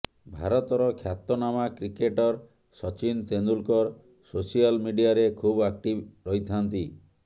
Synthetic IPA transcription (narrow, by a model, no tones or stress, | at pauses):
bʱaɾɔt̪ɔɾɔkʰjat̪ːɔnamakɾikeʈɔɾ | sɔt͡ʃint̪end̪ulkɔɾ | sosialmiɖijaɾekʰubak̚ʈibɾɔɦit̪ʰant̪i